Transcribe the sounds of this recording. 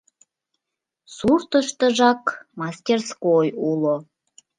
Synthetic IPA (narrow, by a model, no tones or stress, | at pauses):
surt̪əʃt̪ə̆ʒɑkmɑsʲtʲerskojulo